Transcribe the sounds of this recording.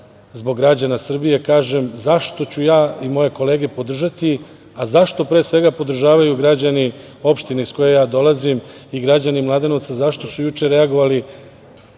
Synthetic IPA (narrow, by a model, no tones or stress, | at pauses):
zbo̞ɡːɾad͡ʑanasr̩bije̞kaːʒemzaʃt̪o̞t͡ɕujaːimo̞je̞ko̞le̞ːɡe̞po̞d̪r̩ʒat̪i | azaʃt̪o̞pɾe̞ːsʋe̞ɡapo̞d̪r̩ʒaːʋajuɡɾad͡ʑani | o̞pʃt̪ineisko̞jejaːd̪o̞lazimiɡɾad͡ʑanimlˠad̪e̞not̪sazaʃt̪o̞sujut͡ʂe̞ɾeaɡo̞ʋali